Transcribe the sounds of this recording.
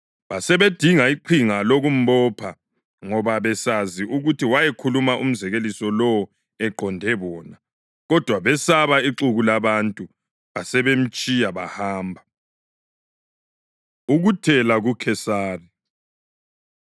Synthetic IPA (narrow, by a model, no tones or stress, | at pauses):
βasɛβed̥ʱiŋaiǃʰiŋaloɣum̩bɔpʰa | ŋɔβaβɛsaziʔuɣutʰiwajɛkʰulumaʔṵm̩zɛɣelisɔlɔwɔ | ɛǃɔndʱɛβɔːna | ɣɔd̥ʱwaβɛsaβaiǃuɣulaβantʼu | βasɛβem̩t͡ʃʼijaβa̰haːmbʱa | uɣutʰɛlaɣukʰɛsaːri